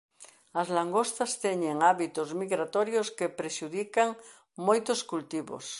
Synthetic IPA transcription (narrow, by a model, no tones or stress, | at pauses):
azlaŋɡost̪ast̪eɲẽŋaβit̪ozmiɣɾat̪oɾjoskepɾeʃuðikaŋ | mojt̪oskult̪iβo̰s